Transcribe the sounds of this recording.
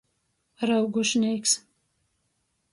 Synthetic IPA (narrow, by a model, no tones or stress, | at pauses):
ɾawɡuʃniːks